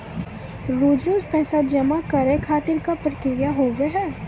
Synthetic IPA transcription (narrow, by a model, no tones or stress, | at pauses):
ɾoːd͡ʒõːzpɛɦsad͡ʒɐmakɐɾẽkʰaːt̪ɪɾkapɾəkɾɪjaɦoːʋeɦɛː